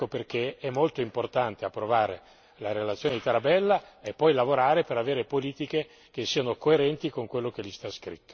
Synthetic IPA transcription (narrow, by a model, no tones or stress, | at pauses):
operk̟eɛmːolt̪oimport̪ant̪eapːɾovaːɾḛ | laɾelat̪sːjoːned̪it̪aɾabɛlːaepːɔjlavoɾaːɾepeɾaveːɾepoliːt̪ike | k̟esːiːanokoeɾɛnt̪ikoŋkwelːok̟elist̪askɾit̪ːo